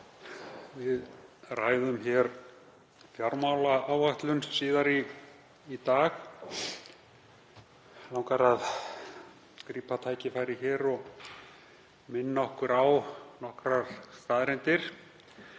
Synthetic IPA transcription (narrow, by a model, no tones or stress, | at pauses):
vɪðraːjðʏmçɛɾ | fjaɾmawlaaːwaht̪lʏnsiːðaɾiː | t̪aːx | lawŋkaɾað | kɾiːpat̪ʰaːjcɪfaːjɾɪçɛːɾɔɣ | mɪnːaɔhkʏɾawnɔhkɾaɾ̥st̪aːðɾɛnt̪ɪɾ̥